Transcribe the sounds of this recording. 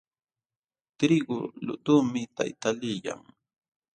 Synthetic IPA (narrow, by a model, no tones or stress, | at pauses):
t̪ɾɪɡʊlʊ̰t̪ʊmɪt̪a̰jt̪alɪja̰ŋ